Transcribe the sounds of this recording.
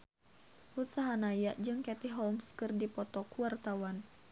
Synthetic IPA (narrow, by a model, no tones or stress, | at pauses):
ut̪saɦanajaʔd͡ʒɨŋkɛt̪iɦɔlmskɨrdipɔt̪ɔkuwart̪awan